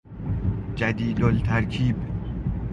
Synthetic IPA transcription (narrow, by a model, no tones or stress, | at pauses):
d͡ʒæd̪iːd̪olt̪ʰæɾkʰiːb